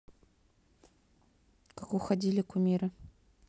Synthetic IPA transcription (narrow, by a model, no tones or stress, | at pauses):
kakʊxɐdʲilʲɪkʊmʲiɾɐ